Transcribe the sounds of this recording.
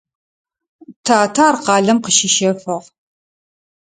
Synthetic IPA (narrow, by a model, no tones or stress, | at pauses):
tʰaːtʰaːrqɑːɮɐmqəʃɪʃɐfɐʁ